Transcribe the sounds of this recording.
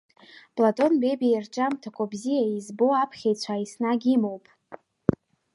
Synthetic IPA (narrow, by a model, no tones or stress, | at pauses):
pʼlatʼo̞nbebirt͡ʃʼamtʰakʷʰʼabzijaizbo̞apʰχʲejt͡sʷʰaisnaɡʲimowpʼ